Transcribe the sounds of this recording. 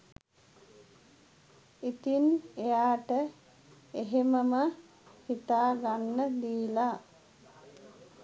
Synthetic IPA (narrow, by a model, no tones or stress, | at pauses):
it̪inejaːʈə | eɦeməmə | hit̪aːɡanːəd̪iːla